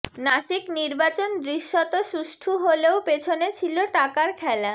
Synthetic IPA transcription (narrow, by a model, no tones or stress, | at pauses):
naʃikniɾbat͡ɕond̪ɾiʃːot̪oʃuʃʈʰuɦoleopet͡ɕʰonet͡ɕʰiloʈakaɾkʰɛla